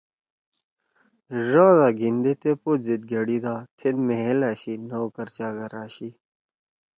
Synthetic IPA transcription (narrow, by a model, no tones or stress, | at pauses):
ʐaːzaːɡind̪et̪epozid̪̚ɡɐɽid̪aːt̪ʰed̪meɦelaːɕinowkɐɾt͡ɕaːɡɐɾaːɕi